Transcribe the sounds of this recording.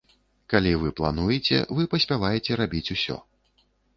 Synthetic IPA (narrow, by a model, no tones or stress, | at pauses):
kalʲivɨplˠa̰nujɛt͡sʲɛ̰vɨpɐsʲpʲavajɛt͡sʲɛɾabʲit͡sʲusʲɔ̰